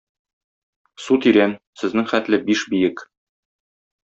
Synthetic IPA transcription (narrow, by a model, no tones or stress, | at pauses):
sut̪iɾæn | sɘ̆znɘŋχæt̪lɘbiʃbijɘk